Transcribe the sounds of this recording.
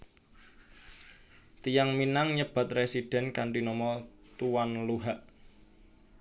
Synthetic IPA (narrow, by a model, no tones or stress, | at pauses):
t̪ijaŋminaŋɲəb̥ä̤t̪̚resid̥ɛ̤nkaɳʈinɔmɔt̪uwanluɦaʔ